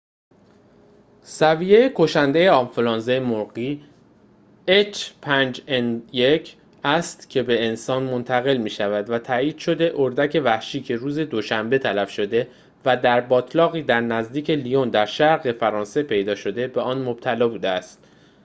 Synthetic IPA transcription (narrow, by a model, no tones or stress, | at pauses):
sæviːje̞jekʰo̞ʃænd̪e̞jeɒmfulɒːnzejemoɾɢiː | et͡ʃpʰænd͡ʒenjecʰ | æst̪cʰe̞be̞ːnsɒːnmo̞nt̪ʰæɣe̞lmiːʃævæd̪væt̪ʰæːiːd̪̥ʃo̞d̪e̞ʔoɾd̪æcʰe̞væhʃiːcʰe̞ɾuːze̞d̪o̞ʃæmbe̞t̪ʰælæfʃo̞d̪e̞ | væd̪æɾbɒːt̪ʰlɒːɣiːd̪æɾnæzd̪iːcʰe̞lijond̪æɾʃæɾɣe̞fæɾɒːnse̞pʰe̞jd̪ɒːʃo̞d̪e̞be̞ɒːnmob̥̚t̪ʰælɒːbuːd̪eæst̪